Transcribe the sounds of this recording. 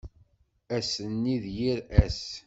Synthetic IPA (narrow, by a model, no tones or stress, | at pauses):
æsənːiðjiɾæs